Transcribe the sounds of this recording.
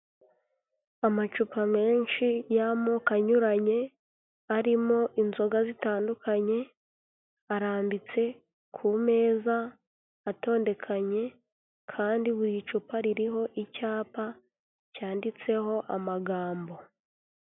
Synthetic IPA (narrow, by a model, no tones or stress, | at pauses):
amat͡ʃupame̞ːnʃijamokaɲuɾaɲe̞ | aɾimo̞ʔinzo̞ɡazitaːndukʰaɲe̞ | aɾaːmbit͡se̞ | kʰume̞ːzaː | to̞ːnde̞kʰaɲe̞ | kʰaːndiβuɾit͡ʃupaɾiɾiɦo̞ʔicaːpa | caːndit͡se̞ho̞ʔamaɡaːmbo̞